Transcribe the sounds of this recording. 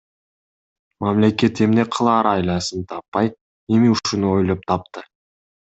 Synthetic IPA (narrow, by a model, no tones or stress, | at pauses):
mamle̞ke̞t̪e̞mne̞qʰəlˠɑːɾɑjlˠɑsɯnt̪ʰɑpːɑj | e̞miuʃunuo̞jlˠop̚t̪ʰɑp̚t̪ɨ